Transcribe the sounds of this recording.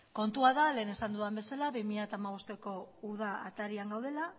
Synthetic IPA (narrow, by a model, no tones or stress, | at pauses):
ko̞nt̪uaðale̞ːne̞sand̪uðambe̞salaβimiʎaet̪aːmaβ̞o̞st̪e̞ko̞uð̞aːt̪aɾiaŋɡawð̞e̞la